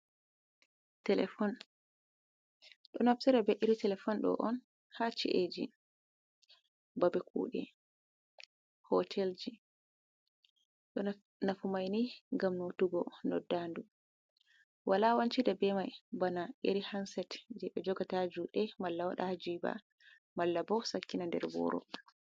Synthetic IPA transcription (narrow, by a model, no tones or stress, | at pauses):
tɛlɛfɔn | ɗɔnafsiɾabɛʔiɾitɛlɛfɔnɗɔ̰ʔɔn | hat͡ʃḭʔed͡ʒḭ | babɛkṵːɗɛ | hɔtʰɛld͡ʒi | ɗɔ | nafumajniŋɡamnotuɡɔnɔdːandu | wʔalawaɲt͡ʃidabɛmajbanajḛɾihansɛtd͡ʒɛɓɛd͡ʒɔɡatad͡ʒuɗɛmalːawaɗahad͡ʒiba̰ | malːabɔsakːinandɛ̰ɾbɔ̰ɾʔɔ̰